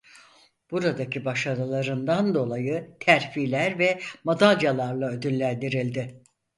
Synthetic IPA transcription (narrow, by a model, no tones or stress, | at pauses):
b̥uɾad̪acʰibaʃaɾɯlˠaɾɯnd̪and̪o̞lˠajɯt̪ʰæɾfilʲæɾvɛmad̪aljalˠaɾlˠaød̪ylːʲænd̪iɾilʲd̪ɪ